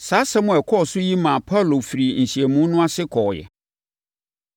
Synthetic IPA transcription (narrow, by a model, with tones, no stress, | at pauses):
saː˨˦sɛ̃˦mʊ̃˨ɛ˨kʰɔ˦˨sʊ˦ji˦mã˨pʰa˦˨lo˨fi˨ɾi˨n̩˨si˨ɛ˨mũ˦nʊ̃˦a˦sɪ˦kʰɔ˨jɛ̰˨